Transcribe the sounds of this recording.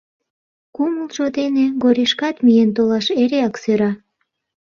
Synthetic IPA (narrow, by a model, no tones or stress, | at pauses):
kumulʒod̪eneɣoɾʲiʃkɑt̪mijent̪̬olɑʃeɾeɑksøɾɑ